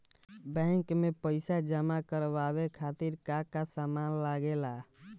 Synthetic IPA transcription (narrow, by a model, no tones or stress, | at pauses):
bɛ̃ŋkmepəɪsad͡ʒəmakəɾbabekʰat̪iɾkakasamanlaɡela